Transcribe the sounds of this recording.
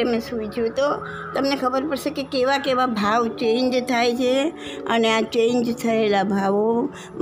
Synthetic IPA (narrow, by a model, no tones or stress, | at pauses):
emẽsuʋid͡ʒjũt̪o | t̪əmnekʰəbəɾpəɾʃekekeʋakeʋabʱaʋt͡ʃẽɲd͡ʒt̪ʰajt͡ʃʰe | əneat͡ʃẽnd͡ʒt̪ʰəelabʱaʋo | m